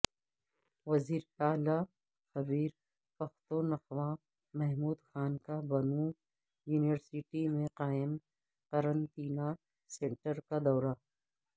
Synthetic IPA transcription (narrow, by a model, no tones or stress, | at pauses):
wɐziːɾaːla | xɐbiːɾ | pɐxt̪ũnɐxwã | mɛɦmuːd̪xaːnkabɐnuː | juːniʋəɾsiʈimẽqaːɪm | qɐɾɐ̃nt̪iːna | sẽɳʈəɾkad̪ɔːɾa